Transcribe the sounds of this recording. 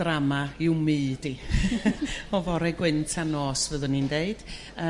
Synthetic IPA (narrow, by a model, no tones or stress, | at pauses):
ramaɪwmɨːdi | ɔvɔɾɛɡwɪntʰanoːsvəðənindeɨd̥ | ə